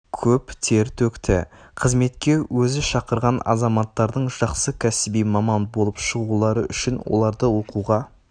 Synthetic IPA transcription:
kʲʰɵpt̪ʰe̞ɾt̪ʰɵkt̪ʰɪ̰qʰəzme̞t̪kʲe̞wɵzɪʃɑqəɾʁɑnɑ̰zɑmɑt̪ːɑɾd̪əɴʒ̥ɑqsəkʲʰæsɪbijmɑmɑnbo̞lˠəpʃəʁulˠɑɾəʔʏʃɪnwo̞̰lˠɑɾd̪əwo̞quʁɑ

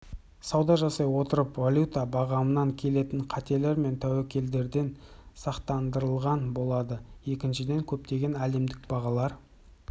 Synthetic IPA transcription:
sɑwd̪ɑʒɑsɑjwo̞t̪əɾəpvalʲjut̪abɑʁɑmənɑŋkʲʰe̞le̞t̪ɪɴqʰɑt̪e̞le̞ɾme̞nt̪ʰæwekʲʰe̞ld̪e̞ɾd̪e̞nsɑqt̪ɑnd̪əɾəlˠʁɑnbo̞lˠɑd̪əje̞kʲɪnʃɪd̪e̞ŋkʲʰɵp̚t̪e̞ɡʲe̞næle̞md̪ɪkb̥ɑʁɑlˠɑɾ

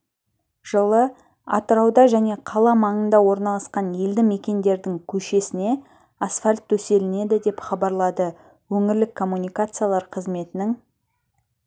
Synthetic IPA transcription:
ʒ̥əlˠə | ɑ̰t̪əɾɑwd̪ɑʒæne̞qʰɑlˠɑmɑɴənd̪ɑwo̞ɾnɑlˠɑsqɑnje̞ld̪ɪme̞kʲe̞nd̪e̞ɾd̪ɪŋkʲʰɵʃe̞sɪne̞ | asfalʲt̪ːʰɵse̞lɪne̞d̪ɪd̪e̞pχɑbɑɾlˠɑd̪ə | wɵŋɪɾlɪkʰːo̞mːunijkat̪sɨjalˠɑɾqʰəzme̞t̪ɪnɪŋ

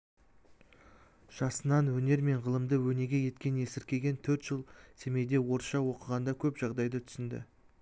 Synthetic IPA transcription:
ʒ̥ɑsənɑnwɵne̞ɾme̞ɴʁəlˠəmd̪əwɵne̞ɡʲe̞je̞t̪kʲe̞ne̞sɪɾkʲe̞ɡʲe̞nt̪ʰɵɾt̪ʒ̥əlˠsʰe̞me̞jd̪e̞wo̞ɾʃɑwo̞qəʁɑnd̪ɑkʲʰɵpʒ̥ɑʁd̪ɑjd̪ət̪ʰʏ̥sɪnd̪ɪ̰

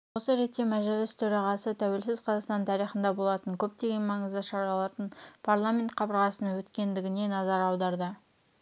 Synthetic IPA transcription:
wo̞səɾe̞t̪ːemæʒelɪst̪ʰɵɾɑʁɑsət̪ʰæwe̞lsɪzqʰɑzɑst̪ɑnt̪ʰɑɾijχənd̪ɑbolˠɑt̪əŋkʲʰɵp̚t̪e̞ɡʲe̞nmɑɴəzd̪ɑʃɑɾɑlˠɑt̪ənpʰaɾlˠamʲe̞nt̪̚qʰɑbəɾʁɑsənɑwɵt̪kʲe̞nd̪ɪɡʲɪne̞nɑzɑɾɑwd̪ɑɾd̪ə

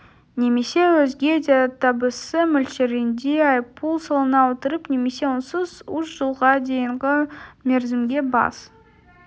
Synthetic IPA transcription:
ne̞me̞se̞wɵzɡʲed̪ʲeat̪ʰɑbəsəmʏlʃeɾɪnd̪eɑjpulˠsolˠənɑwot̪əɾəpne̞me̞se̞wonsəzuʃʒ̥əlˠʁɑd̪e̞jəɴʁəme̞ɾzɪmɡʲe̞bɑ̰s

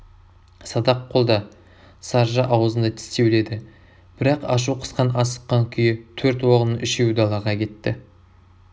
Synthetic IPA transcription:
sɑd̪ɑqʰːo̞lˠd̪ɑ | sɑɾʒɑʔɑwzənd̪ɑt̪ʰɪ̥st̪ewle̞d̪ɪ | b̥ɪɾɑqɑ̰ʃ̬uqʰə̥sqɑnɑsə̥qːɑŋkʲʰʏjɪt̪ʰɵɾt̪woʁənəʔɪʃewd̪ɑlˠɑʁɑkʲʰe̞t̪ːɪ

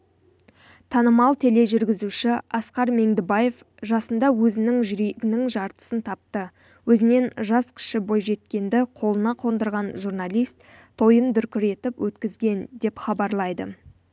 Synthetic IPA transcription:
t̪ʰɑnəmɑlˠt̪ʰele̞ʒʏɾɡʲɪzuʃɪɑsqɑɾme̞ŋd̪ɪbaje̞f | ʒɑsənd̪ɑwɵzɪnɪŋʒʏɾe̞ɡʲɪnɪŋʒɑɾt̪ə̥sənt̪ʰɑp̚t̪ə | wɵzɪne̞nʒɑskʲʰɪ̥ʃɪbo̞jʒe̞t̪kʲe̞nd̪ɪqʰo̞lˠənɑqʰo̞nd̪əɾʁɑnʒurnɑlʲijst̪ | t̪ʰo̞jənd̪ʏɾkʲɪɾe̞t̪ɪpwɵt̪kʲɪzɡʲe̞nd̪e̞pχɑbɑɾlˠɑjd̪ə̰

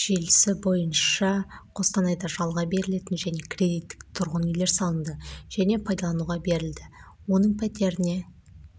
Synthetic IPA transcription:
ʒelɪsɪbo̞jənʃɑqʰo̞sq̪ɑnɑjd̪ɑʒɑlˠʁɑbe̞ɾɪle̞t̪ɪnʒæne̞kʲʰrʲe̞d̪ijt̪ːɪ̥k̚t̪ʰʊɾʁənʏjle̞ɾsɑlˠənd̪əʒ̥æne̞pʰɑjd̪ɑlˠɑnuʁɑbe̞ɾɪld̪ɪ | wo̞nəɴpʰæt̪e̞ɾɪne̞

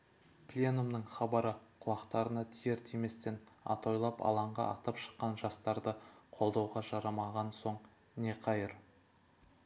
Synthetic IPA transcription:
plʲenumnəɴχɑbɑɾəqʰʊlˠɑqt̪ɑɾənɑt̪ʰijeɾt̪ʰeme̞st̪e̞nɑ̰t̪o̞jlˠɑpɑ̰lˠɑɴʁɑ̰ʔɑ̰t̪ɑpʃə̥qːɑnʒɑst̪ɑɾd̪əqʰo̞lˠd̪ɑwʁɑʒɑɾɑmɑʁɑnso̞ɴ | ne̞qʰɑjəɾ

